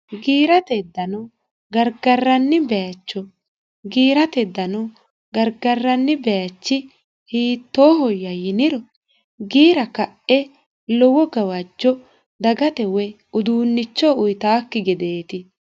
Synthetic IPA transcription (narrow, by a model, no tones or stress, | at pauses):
ɡiːɾɐt̪ɛd̪ːɐnɔ | ɡɐɾɡɐrːɐnːɪbɛjɐt͡ʃːɔ | ɡiːɾɐt̪ɛd̪ːɐnɔ | ɡɐɾɡɐrːɐnːɪbɛjɐt͡ʃːɪ | hiːt̪ːoːɦɔjːɐjɪnɪɾɔ | ɡiːɾɐkɐʔɛ | lɔwɔɡɐwɐd͡ʒːɔ | d̪ɐɡɐt̪ɛwɛ | ʊd̪uːnːɪt͡ʃːɔʊjt̪aːkːɪɡɛd̪eːt̪ɪ